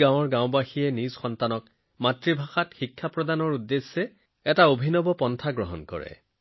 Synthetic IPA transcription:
ãw̃ɔɹɡãw̃baxijɛnizxɔntanɔk | matɹibʱaxatxikʰːapɹɔdanɔɹudːesːɛ | ɛtaobʱinɔbɔpɔntʰaɡɹɔɦɔnkɔ̰ɹɛ̰

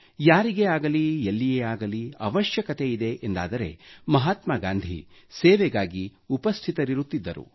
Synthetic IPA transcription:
jaːɾiɡeaːɡɐlielːijeaːɡɐliɐ̰ʋɐʃjɐkɐt̪e̞id̪e̞ʔend̪a̰ːd̪ɐɾe̞̰mɐɦaːt̪maɡaːnd̪ʱḭ | seːʋeɡaːɡiupɐst̪ʰit̪ɐɾiɾut̪ːid̪ːɐɾṵ

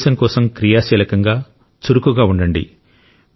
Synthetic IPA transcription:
ʃɐŋkɔːsɐmkɾijaːʃiːlɐkɐŋɡaː | t͡ʃuɾukuɡaːuɳɖɐɳɖḭ

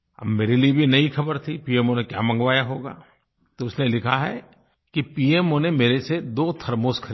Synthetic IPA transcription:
ɐ̰bmeːɾeliebʱinɐɦixɐbəɾt̪ʰipiːeːmonekja̰ːmɐ̃ŋɡʋaːjaɦoːɡa̰ː | t̪oʊsnelɪkʰaɦɛ̰ | kipiːeːmonemeːɾesed̪oːt̪ʰɐɾmoːskʰɐɾi

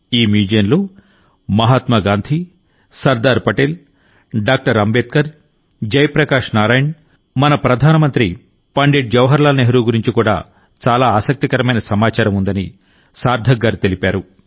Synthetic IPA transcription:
iːmiːd͡ʒɐjnloː | mɐɦaːt̪mɐɡaːnd̪ʱi | sɐɾd̪aːɾpɐʈeːl | ɖaːk̚ʈɐɾɐmbeːt̪̚kɐɾ | d͡ʒɐjpɾɐkaːʂnaːɾaːjɐɳ | mɐnɐpɾɐd̪ʱaːnɐmɐnt̪ɾi | pɐɳɖeːɖ̚d͡ʒɐʋɦɐɾlaːlɐneɦɐɾuːɡuɾiɲt͡ʃikuːɽa̰ː | t͡ʃaːlaːaːsɐk̚t̪ikɐɾɐmɐjnɐsɐmaːt͡ʃaːɾɐmund̪ɐni | saːɾd̪ʱɐɡːaːɾit̪e̞lipaːɾu

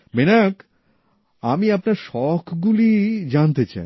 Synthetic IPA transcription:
menak | amiapnaɾʃɔkʰɡulid͡ʑant̪et͡ɕa̰

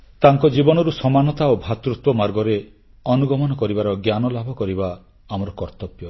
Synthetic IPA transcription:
t̪aŋkɔd͡ʒibɔnɔɾusɔmanɔt̪aobʱat̪ɾut̪wɔmaɾɡɔɾe | ɔnuɡɔmɔnɔkɔɾibaɾɔɡjanɔlabʱɔkɔɾibaː | mɔɾɔkɔɾt̪ɔpjɔ

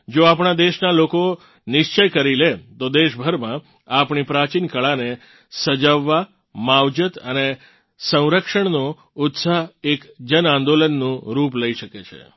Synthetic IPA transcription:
d͡ʒoapɳ̃ad̪eʃnaloko | nɪʃt͡ʃəjkəɾilet̪od̪eʃbʱəɾmã | apɳipɾat͡ʃinkəɭane | səd͡ʒaʋːa | mawd͡ʒət̪əne | sə̃w̃ɾəkʃəɳno | ʊt̪saekd͡ʒənãnd̪olənːũɾup̬ləiʃəket͡ʃʰḛ

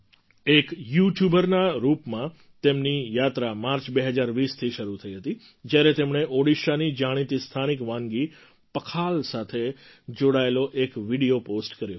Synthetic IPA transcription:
ekjuʈjubəɾnaɾupmã | t̪emnijat̪ɾamaɾt͡ʃbeɦəd͡ʒaɾʋist̪ʰiʃəɾut̪ʰəiɦət̪i | d͡ʒjaɾet̪emɳ̃eʔoɽiʃanid͡ʒaɽ̃it̪ist̪ʰanikʋãŋɡi | pəkʰalsat̪ʰe | d͡ʒoɽaeloʔekʋiɽijoposʈkəɾjo

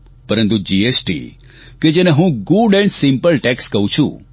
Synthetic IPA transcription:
pəɾənt̪ud͡ʒiesʈḭ | ked͡ʒeneɦũɡuɖɛ̃ɳɖsimpəlʈekskəɦũt͡ʃʰṵ̃

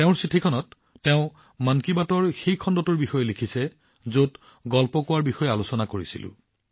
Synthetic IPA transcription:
tɛʊ̃ɹsitʰikʰɔnɔtː | ɛʊ̃ | mankibatɔɹxejkʰɔndɔtʊɹbixɔjɔlikʰisɛ | zot | ɡɔlpɔkʊwaɹbixɔjɛalusɔnakoɹisḭlʊ̰̃

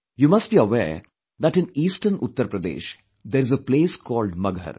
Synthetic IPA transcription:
juːmɐsʈbiəʋḛːɾ | d̪æʈɪ̃niːsʈəɾnʊt̪ːəɾpɾəd̪ḛːʃ | d̪eːɾɪzəpleːskɔːlɖmɐɡʱə̰ɾ

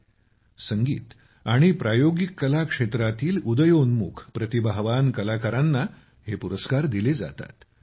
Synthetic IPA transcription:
səŋɡḭːt̪ | aɽ̃ipɾajoɡikːəlakʂet̪ɾat̪iːlud̪əjonmṵkʰpɾət̪ibʱaɦʋankəlakaɾanːa | hepuɾəskaɾd̪iled͡za̰t̪a̰t̪

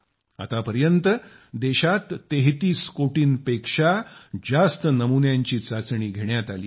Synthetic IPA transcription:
a̰t̪apəɾjənt̪ə | d̪eɕat̪ːeɦt̪iːskoʈiːnpekʂad͡zast̪ənəmunjaɲt͡ɕiːt͡sat͡sɳiːɡʱeɳjat̪alḭː

